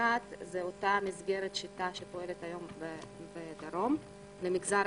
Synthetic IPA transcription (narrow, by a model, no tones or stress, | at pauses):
at̪zeot̪amizɡeɾet̪ʃit̪aʃepo̞e̞let̪ajo̞mbebed̪aɾo̞m | lemiɡzaɾ